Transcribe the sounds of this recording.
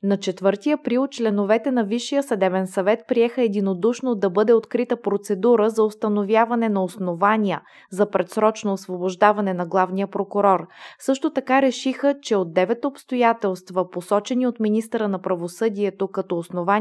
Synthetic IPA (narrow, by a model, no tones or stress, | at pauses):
nɐt͡ʃɛt̪vɤɾt̪iɐpɾilˠt͡ʃlɛnovɛt̪ɛnɐviʃːijəsɐd̪ɛvɛnsɐvɛt̪̚pɾiɛxəɛd̪inod̪uʃnod̪ɐbɤd̪ɛot̪kɾit̪əpɾot̪sɛd̪uɾəzɐost̪ɐnovjavɐnɛnɐosnovanʲiə | zɐpɾɛt̪sɾɔt͡ʃnoːsvoboʒd̪avɐnɛnɐɡlˠavnijəpɾokʊɾɔɾsɤʃt̪ot̪ɐkaɾɛʃixət͡ʃɛod̪ːɛvɛt̪opst̪ojat̪ɛlˠst̪vɐposɔt͡ʃɛniot̪minist̪əɾənɐpɾɐvosɤd̪iɛt̪okɐt̪ɔosnova